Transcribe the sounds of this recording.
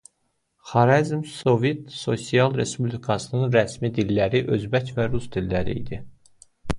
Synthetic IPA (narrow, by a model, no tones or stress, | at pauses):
χɑɾɑzmso̞vet̪so̞sijɑlˠɾe̞spublikʰɑsɯnɯnɾæsmid̪ilːæɾiʔø̞zbæcvæɾusd̪ilːæɾḭḭd̪i